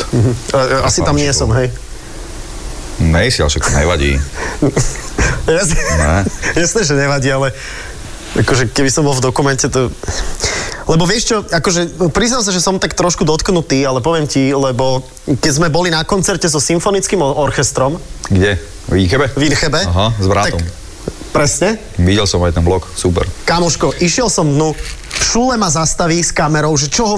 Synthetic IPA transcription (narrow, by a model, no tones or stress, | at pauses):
m̩ɦ̩asit̪amɲɪɛsɔmɦɛj | nɛjsa̰ʃakt̪ɔɲɛ̰ʋa̰ɟḭː | jasɛɛ̰jasnɛːʒɛɲɛʋaɟiːalɛ | akɔʒɛkɛbisɔmbɔlˠvd̪ɔkumɛncɛt̪ɔ | lɛbɔʋɪɛʃt͡ʃɔakɔʒɛpɾiznals̬aʒɛsɔmt̪akt̪ɾɔʃkud̪ɔt̪knut̪iːalɛpɔʋɪɛmcilɛbɔ | kɛzmɛbɔlinakɔnt͡sɛɾcɛzɔsimfɔnit͡skimɔɔɾxɛst̪ɾɔmɡɟɛ | ʋinxɛbɛʋinxɛbɛaɦazbɾa̰ːak̪ɔm | pɾɛsɲɛ | ʋiɟɛlsɔmajt̪ɛnblɔksuːpɛ̰ɾkamɔʃkɔʔiʃɪɛlˠsɔmd̪nu | fʃuːlɛmazast̪aʋiːskamɛɾɔʊʒɛt͡ʃɔɦɔ